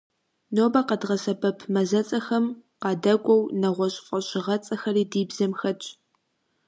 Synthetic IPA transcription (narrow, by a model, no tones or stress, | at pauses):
noːbɐqɐdʁɐsɐbɐpʰmɐzɐt͡sʼɐxɐmqɑːdɐkʷʼɔwnɐʁʷɔɕʼfʼɐɕʼɪʁɐt͡sʼɐxɐriːdiːbzɐmxɐt͡ʃʼ